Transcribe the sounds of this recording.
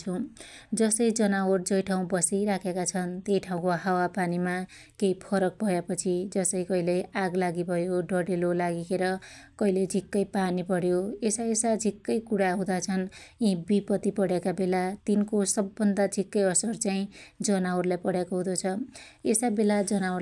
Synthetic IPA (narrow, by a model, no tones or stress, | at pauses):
ud͡zʌsʌjd͡zʌnaord͡zʌjʈʰaw̃bʌsijɾakʰekat͡sʰʌnt̪jejʈʰaw̃koɦawapanima | keipʰʌɾʌk̚bʱʌjepʌt͡sʰid͡zʌsʌjkʌɦileaɡlaɡibʱʌjoɖʌɽelolaɡikeɾʌkʌiled͡zʱikːʌjpanipʌɽjoesaesad͡zʱikːʌjkuɽaɦũd̪at͡sʰʌnĩbipʌt̪ipʌɽjekabelat̪inkosʌbːʌnd̪ad͡zʱikːʌjʌsʌrt͡saĩd͡zʌnaorlajpʌɽjakoɦũd̪ot͡sʰʌ | esabelad͡zʌnao